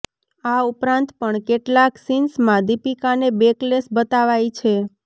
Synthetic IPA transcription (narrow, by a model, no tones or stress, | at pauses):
aupɾãnt̪pəɳkeʈlaksinsmãd̪ipikanebeklesbət̪aʋajt͡ʃʰe